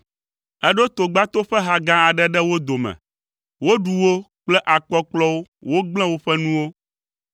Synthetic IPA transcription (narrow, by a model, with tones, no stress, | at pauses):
ɛ˦ɖo˦t̪o˨ɡ͡ba˦t̪o˦ɸɛ˦ɦa˨ɡã˦a˨ɖɛ˦ɖɛ˦wo˦d̪o˨mɛ̰̃˨ | wo˦ɖu˨wo˦k͡plɛ˦ʔa˨k͡pɔ˦k͡plɔ˦wo˦wo˦ɡ͡blɛ̃˦wo˦ɸɛ˦nũ˦wo˦